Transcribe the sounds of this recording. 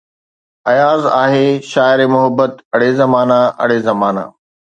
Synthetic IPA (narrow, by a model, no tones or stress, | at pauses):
ɐjaːzaːɦeʃaːɪɾemʊɦəbːət̪ɐɽ̤ezɐmaːnaʔɐ̰ɽ̤ezɐmaːna̰ː